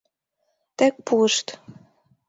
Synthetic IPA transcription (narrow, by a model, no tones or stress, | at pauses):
t̪æk̚puəʃt̪